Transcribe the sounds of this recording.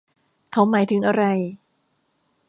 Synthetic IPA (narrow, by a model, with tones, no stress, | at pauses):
kʰa˦˥wmaː˩˦jt̪ʰɯ˩˦ŋʔa˧ɾa˧j